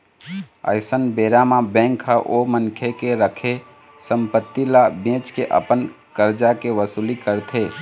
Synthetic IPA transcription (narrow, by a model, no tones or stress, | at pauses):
ə̰ɪsənbeɾamabɛ̃ŋkɦəʔomənkʰjekeɾəkʰe | səmpət̪ːilabẽt͡ʃkeʔə̰pən | kəɾd͡ʒakeʋəsulikəɾt̪ʰe